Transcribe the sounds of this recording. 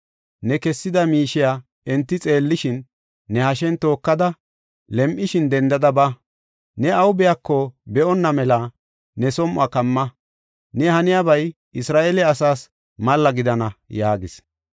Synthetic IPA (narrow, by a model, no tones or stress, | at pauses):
nɛkɛsːɪd̪ɐmiːʃɪja | ɛnt̪ːɪt͡sʼe̞ːlːɪʃɪnː | ɛhɐʃ̬ɛnt̪o̞ːkːɐd̪ɐ | lɛmʔɪʃɪnd̪ɛnd̪ɐd̪ɐba | nɛɐwʊbɛjakːɔbɛʔɔnːɐmɛlɐ | nɛsɔmʔʊakɐmːɐ | nɛhɐnɪjabɐj | ʔɪsɾaːʔelɛɐsaːs | mɐlːɐɡɪd̪ɐnɐjaːɡɪs